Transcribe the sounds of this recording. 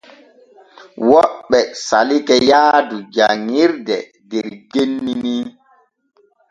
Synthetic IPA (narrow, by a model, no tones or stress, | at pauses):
wɔɓːɛsalikɛjaːdud͡ʒaŋiɾdɛ̰ | dɛɾɡenːimi